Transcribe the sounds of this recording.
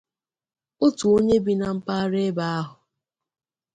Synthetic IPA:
o˦tu˨o˦ɲe˦bi˦na˨m̩˦pa˦ɾe˦ba˦a˦ɦʊ˨

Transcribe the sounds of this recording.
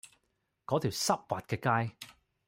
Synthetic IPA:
kɔː˨˥t̪ʰi˨˩wsɐ˥p̚wa̰ː˨t̚kɛː˧kaː˥j

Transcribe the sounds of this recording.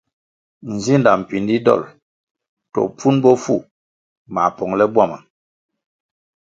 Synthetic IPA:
n̩˨zi˦nda˨m̩˨pi˨ndi˦dɔ̰˦˨l | tɔ̰˨pu˦nbɔ˦fu˦˨ | ma˨pɔ˨ŋlɛ˦bwa˦˨ma̰˨

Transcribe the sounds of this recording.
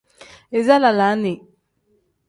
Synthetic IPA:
e˨za˦la˨la˨˦nɪ˨

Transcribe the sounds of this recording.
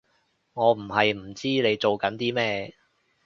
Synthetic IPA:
ŋɔː˨˧m̩˨˩hɐ˨jm̩˨˩t͡siː˥ne˨˧jt͡so˨wkɐ˨˥nt̪iː˥mɛː˥

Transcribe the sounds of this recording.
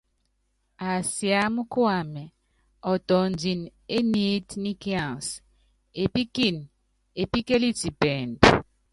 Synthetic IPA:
a˨si˨a˦mu˦kwa˨mɛ˨ | ɔ˨tɔ˨nd͡ʒi˨n | e˦ni˦tni˦ki˦ã˨ns | e˨pi˦ki˦˨n | e˨pi˦ke˦li˦ti˨pɛ˨ntu˨

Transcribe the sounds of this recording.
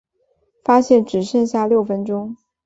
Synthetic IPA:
fa˥ɕjɛ˥˩nʈ͡ʂɻ̩˨˩ʂə˥˧ŋɕja˥˧ljo˥˩ʊfə˥nʈ͡ʂʊ˥ŋ

